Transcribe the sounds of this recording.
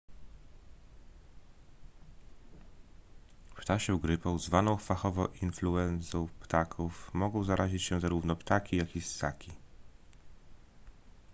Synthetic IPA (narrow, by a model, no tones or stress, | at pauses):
pt̪aɕɛuɡɾɘpɔwzvanɔ̃w̃faxɔvɔʔinfluɛnsɔ̃w̃pt̪akʰufmɔɡɔ̃w̃zaɾʔaʑit͡ɕɕɛzaɾuvnɔpt̪akʲijakʲisːakʲi